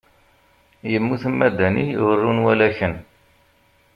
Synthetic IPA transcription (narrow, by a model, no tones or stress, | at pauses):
jəmːuθəmːæd̪ænḭwərːunwælæçən